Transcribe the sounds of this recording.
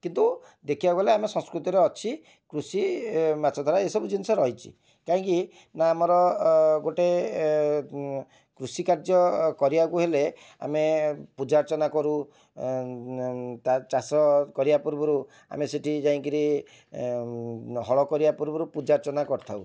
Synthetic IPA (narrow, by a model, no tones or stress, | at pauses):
kint̪u | d̪ekʰibaɡɔleamesɔ̃ŋskɾut̪iɾeɔt͡ʃʰi | kɾusimat͡ʃʰɔd̪ʱaɾaesɔbud͡ʒinɔsɔɾɔɦijt͡ʃʰḭ | kaɦɔ̃ŋki | naːmɔɾɔɡoʈe | kɾusikaɾd͡ʒɔkɔɾibakuɦele | a̰mepud͡ʒaɾt͡ʃɔnakɔɾu | t̪at͡ʃasɔkɔɾibapuɾbɔɾu | a̰meseʈʰid͡ʒaĩkiɾi | ɦɔɭɔkɔɾibapuɾbɔɾupud͡ʒaɾt͡ʃɔnakɔɾt̪ʰaw